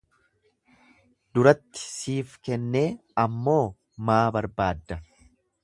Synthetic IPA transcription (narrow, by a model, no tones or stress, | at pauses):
d̪ʊɾɐt̪ːɪ̥siːfkɛnːeːɐmːo̞ː | maːbɐɾbaːd̪ːɐ